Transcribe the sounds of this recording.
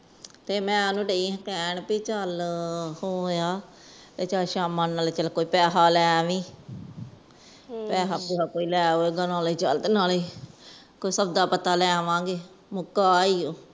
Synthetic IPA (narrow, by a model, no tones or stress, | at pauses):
t̪eːmɛ̃ːnũːɖeĩːkɛːɳpiːt͡ʃəlhoːjaː | t̪eːt͡ʃaʃaːmãːnaːleːt͡ʃəlkoːiːpɛːɦaːlɛːʋĩː | pɛːɦaːpeːɦaːkoːiːlɛːɦoːeːɡənãːliːt͡ʃəld̪naːliː | koːisəbd̪aːpət̪aːlɛːʋãːɡeː | mʊkːaːiːoː